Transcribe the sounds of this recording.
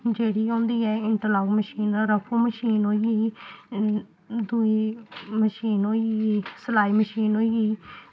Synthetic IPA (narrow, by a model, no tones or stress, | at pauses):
d͡ʒeːɽiːɦõːnd̪iːɛːɪɳʈəlaːɡməʃiːnəɾəpʰoːməʃiːnɦoːiiː | d̪uiːməʃiːnɦoːiɡisəlaːiːməʃiːnɦoːiɡiː